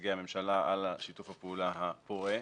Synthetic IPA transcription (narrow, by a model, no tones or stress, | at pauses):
ɡeame̞mʃalaʔa̰laʃitufhapeuːlaɦapoʁe